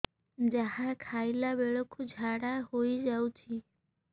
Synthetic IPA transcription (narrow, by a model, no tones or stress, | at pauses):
d͡ʒaɦakʰajlabeɭɔkʰud͡ʒʱaɽahojd͡ʒawt͡ʃʰi